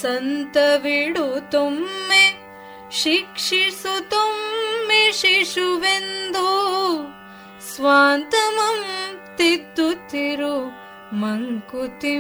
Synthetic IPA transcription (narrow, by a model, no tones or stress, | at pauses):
sɐnt̪ɐʋiɽut̪umːe | ʃikʂisut̪umːeʃiʂuʋend̪u | sʋaːnt̪ɐmɐmt̪id̪ːut̪iɾu | mɐŋkut̪i